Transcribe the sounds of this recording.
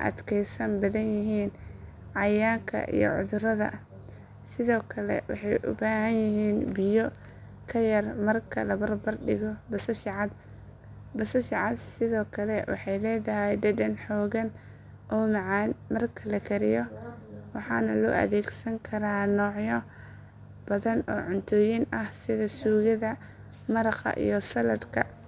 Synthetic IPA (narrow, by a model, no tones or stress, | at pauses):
ʔɐ̰d̪kʰɛjsɐnbɐðɐnjɪɦiːn | ʕɑjaːŋkʰɐ̰ʔḭjɔ̰ʕʊðʊɾɐðɐ̰ | sɪðɔːkʰɐlɛ̰wɑ̰ħɑjʔʊ̰baːɦɐnjɪɦiːnbɪjɔ | kʰɐjɐrmɐrkʰɐlɐbɐrbɐrɖɪɣɔbɐsɐʃɪʕɑd̪ | bɐsɐʃɑʕɑd̪sɪðɔːkʰɐlɛwɑ̰ħɑjlɛːðɐɦɛjɖɐdɐnħɔːɣɐn | ʔɔːmʕnmɐrkʰɐlɐkʰɐɾɪjɔwɑħɑːnɐlɔ̰ːʔɐ̰ðɛːɡsɐŋkʰɐɾaːnɔːʕjɔ | b̥ɐðɐnɔ̰ːʕʊnt̪ʰɔːjɪnʔɐhsɪðɐsuːɣɪðɐ | mɐɾɐχɑ̰ʔḭjɔsɐlɐdkʰɐ